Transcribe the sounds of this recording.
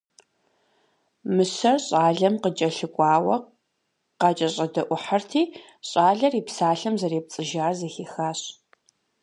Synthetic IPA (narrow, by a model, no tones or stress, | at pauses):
mɨsɐrɕʼaːɮɐmqət͡ʃʼɐɬɨkʷʼɑːwɐ | qɑːt͡ʃʼɐɕʼɐdɐʔʷʊħartʰiː | ɕʼaːɮɐriːpsaːɬɐmzɐɾeːp̚t͡sʼɨʒaːrzɐxiːxaːɕ